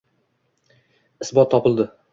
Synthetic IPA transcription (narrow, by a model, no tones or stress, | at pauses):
ɪsbɒt̪ʰːɒpɪlˠd̪ɪ